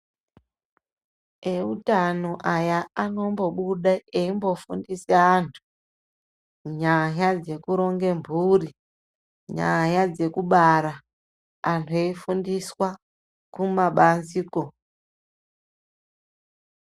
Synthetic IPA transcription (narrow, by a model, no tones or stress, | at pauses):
e̞utanoʔajaano̞mbo̞ɓuɗaeimbo̞fundiseaːntʰu̥ | ɲajad͡ze̞kuɾo̞ŋɡe̞mbʱuːri | ɲa̰jad͡ze̞kuɓaɾa | antʰue̞ifundiswa | kumaɓanziːko